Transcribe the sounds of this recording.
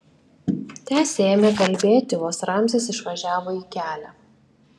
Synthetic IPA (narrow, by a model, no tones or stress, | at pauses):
t̪ʲæːsʲeeːmʲekɐlʲbʲeːt̪ʲɪʋoːsɾɑˑmʲsʲeːsɪʃʋɐʒʲæːʋoːiːkʲæːlʲæː